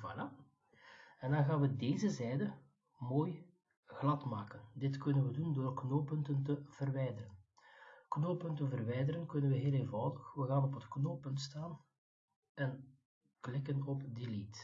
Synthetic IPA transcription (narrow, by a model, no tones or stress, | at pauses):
va̰la | ɛndɑnɣaːnʋədeːzəzɛjdə | moːj | ɣlɑtmaːkəndɪtkɵnənʋədundoːrknoːpɵntəntəv̥ərʋɛjdərən | knoːpɵntənvərʋɛjdəɾənkɵnənʋəɦeːlˠeːnvɑwdəxʋəɣaːnɔpətknoːpɵntstaːn | ɛn | klɪkənɔpdilit